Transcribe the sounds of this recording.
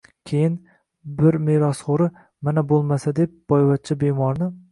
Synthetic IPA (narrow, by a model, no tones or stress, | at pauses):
kʲʰejɪn | bɪɾmeɾɒsχoɾɪ | manabolˠmasad̪ep̚b̥ɒjvat̪̚t͡ʃʰɪbemɒɾnɪ